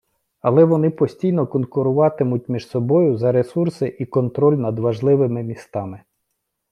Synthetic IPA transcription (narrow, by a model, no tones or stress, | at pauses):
ɐlˠɛʋɔnɪpɔsʲtʲijnɔkɔnkʊɾʊʋɑt̪ɪmʊt̚ʲmʲiʒsɔbɔjʊzɐɾe̞sursɪʔikɔnt̪ɾɔlʲnɐd̪ʋɐʒlˠɪʋɪmɪmʲist̪ɑmɪ